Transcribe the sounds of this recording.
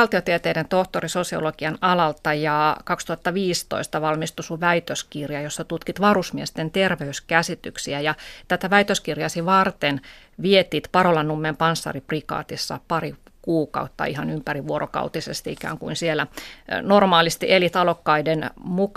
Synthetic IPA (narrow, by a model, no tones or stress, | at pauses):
lt̪iot̪iet̪eident̪oht̪orisosio̰loɡ̥iɑnɑlɑlt̪ɑjɑːkɑkst̪uhɑt̪ːɑʋiːst̪o̰ist̪ɑʋɑlmist̪usuʋæit̪øskirjɑjosːɑt̪ut̪kit̪ʋɑrusmiest̪ent̪erʋeyskæsit̪yksiæjɑt̪æt̪æʋæit̪øskirjɑsiʋɑrt̪en | ʋiet̪iːt̪pɑrolɑnːumːempɑnsːɑ̰riprikɑ̰ːt̪isːɑ̰pɑri | kuːkɑ̰ut̪ːɑ̰ihɑnympæriʋuoɾokɑ̰ut̪isest̪iikæ̰ːŋkuinsielːænormɑːlist̪iʔelit̪ɑlokːɑidenmuk